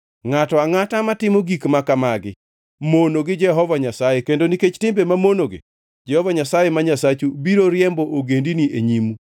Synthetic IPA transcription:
ŋatɔaŋatamatɪmoɡikmakamaɡɪ̰ | monoɡɪd͡ʒɛɦɔvaɲasajekendoniket͡ʃtɪmbemamonoɡɪ̰ | d͡ʒɛhɔvaɲasajemaɲasat͡ʃubiɾoɾjɛmboʔoɡendinieɲimu

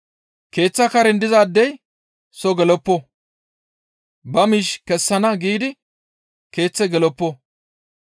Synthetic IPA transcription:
ke̞ːt͡sːɐkɐɾɛnd̪ɪzaːd̪ːɛj | sɔɡɛlɔpːɔ | bɐmiːʃkɛsːɐnɐɡiːd̪ɪ | ke̞ːt͡sːɛɡɛlɔpːɔ

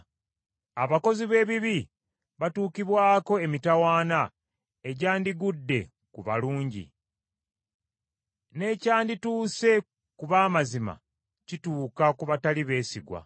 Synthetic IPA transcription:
aβako̞ziβe̞ːβiβi | βatuːkiβwaːko̞e̞mitawaːna | e̞ɟaːndiɡudːe̞ | kuβa̰luːɲɟḭ | ne̞caːndituːse̞ | kuβaːmazima̰ | cituːkakuβataliβe̞ːsiɡwa̰

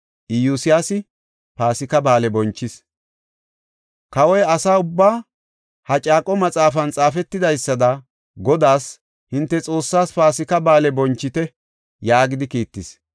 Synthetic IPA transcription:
ʔɪjusɪjasɪ | paːsɪkɐbaːlɛbɔnt͡ʃːɪs | kɐwɔjɐsaːʊbːaː | hɐt͡ʃʼaːkʼɔmɐt͡sʼaːfɐnt͡sʼaːfɛt̪ːɪd̪ɐjsːɐd̪ɐ | ɡɔd̪aːs | hɪnt̪ːɛt͡sʼo̞ːsːaːspaːsɪkɐbaːlɛbɔnt͡ʃːɪt̪ɛ | jaːɡɪd̪ɪkiːt̪ːɪs

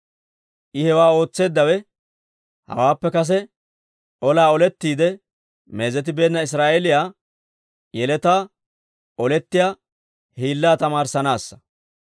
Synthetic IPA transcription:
ʔɪhɛwaːo̞ːt͡sːe̞ːd̪ːɐwɛ | hɐ̰waːpːɛkɐs̬ɛ | ʔɔlaːɔlɛt̪ːiːd̪ɛ | me̞ːzɛt̪̬ɪbe̞ːnːɐɪs̬ɾaːʔelɪjaː | jɛlɛt̪aː | ʔɔlɛt̪ːɪjaː | hiːlːaːt̪ɐmaːɾsɐnaːsːɐ̥

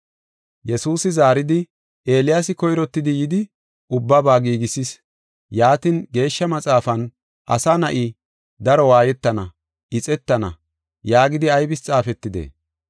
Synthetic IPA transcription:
jɛsuːsɪzaːɾɪd̪ɪ | ʔe̞ːlɪjasɪkɔjɾɔt̪ːɪd̪ɪjɪd̪ɪ | ʔʊbːɐbaːɡiːɡɪsɪs | jaːt̪inɡe̞ːʃːɐmɐt͡sʼaːfɐn | ʔɐ̰sanɐʔi | d̪ɐɾɔwaːjɛt̪ːɐnɐ | ɪt͡sʼɛt̪ːɐnɐ̰ | jaːɡɪd̪ɪɐjbɪst͡sʼaːfɛt̪ːɪd̪ḛː

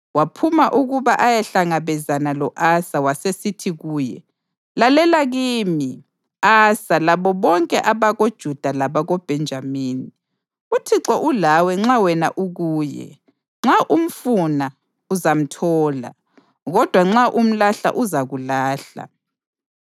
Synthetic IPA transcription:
wapʰumaʔuɣuβaʔajɛɬaŋaβɛzanalɔʔasawasesitʰiɣuːjɛ | lalɛlaɣiːmi | asalaβɔβɔŋkʼɛʔaβaɣod̥ʒ̥ʱud̥ʱalaβaɣob̥ʱɛnd͡ʒʱamiːni | utʰiǁɔʔulawɛŋ͡ǁawɛna̰ʔuɣuːjɛ̰ | ŋ͡ǁaʔum̩funa | uzam̩tʰɔːla̰ | ɣɔd̥ʱwaŋ͡ǁaʔum̩laɬa̰ʔuzaɣulaːɬa̰

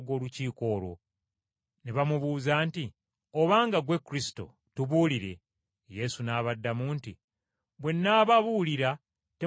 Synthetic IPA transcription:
ɡo̞ːluciːko̞ːlo̞̰ | neβamuβuːzaːnti | o̞βaːŋɡaɡwe̞kːuɾisi̥to̞̰ | tuβuːliɾe̞̰ | je̞sunaːβadːamuːnti | βwe̞nːaːβaβuliɾa | te

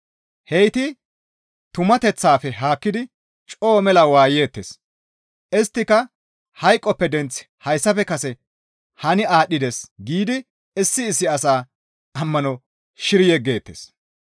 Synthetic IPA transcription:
hɛjt̪ɪ | t̪ʊmɐt̪ɛt͡sːaːfɛɦaːkːɪd̪ɪ | t͡ʃʼo̞ːmɛlɐwaːjeːt̪ːḛːs | ʔɪst̪ːɪkɐ | hɐjkʼːɔpːɛd̪ɛnt͡s | hɐjsːɐfɛkɐsɛ | hɐnɪaːɗːɪd̪esɡiːd̪ɪ | ɪsːɪːsːɪɐsaː | ɐmːɐnɔ | ʃɪɾɪjɛɡe̞ːt̪ːḛs

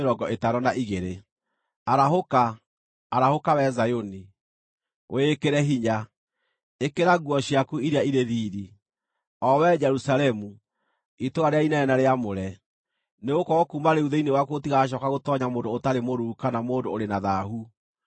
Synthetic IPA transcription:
ɾɔɡɔʔetaɾɔnaʔiɣeɾe | aɾaɦokaː | ɾahokawɛzajoni | wʔekeɾɛɦiɲa | ekeɾaɣwɔɕiakuiɾeaiɾeðiːɾi | ɔwɛd͡ʒɛɾusalɛmu | itoaɾeainaɛnaɾeamoɾɛ | neɣokɔɔkuːmaɾeuðeinewakotiɣaɕ̬ɔkaɣotɔɲamoːdoːtaɾemoɾukanamoːndooɾenaðaɦu

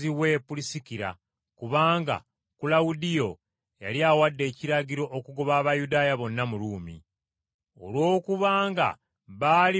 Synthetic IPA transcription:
iwe̞pulisikiɾa̰ | kuβaːŋɡa̰ | kulawudijo̞ | ja̰liaːwadːe̞ːciɾaɟiɾo̞ʔokuɡoβaːβajudaːjaβo̞nːamuɾuːmḭ | o̞̰lwo̞ːkuβaːŋɡa̰ | βaːli

